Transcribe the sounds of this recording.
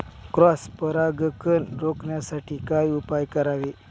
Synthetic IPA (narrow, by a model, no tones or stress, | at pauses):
kɾɔspəɾaɡəkənɾokɳjasaʈʰiːkajupajkəɾaʋe